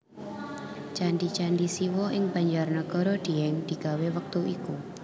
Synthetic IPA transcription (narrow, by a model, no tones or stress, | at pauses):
t͡ʃandit͡ʃandisiwɔʔɪŋb̥a̤ɲd͡ʒarnəɡ̥ɔ̤ɾɔd̪̥iɛŋd̪̥i̤ɡ̥a̤wewək̚t̪uiku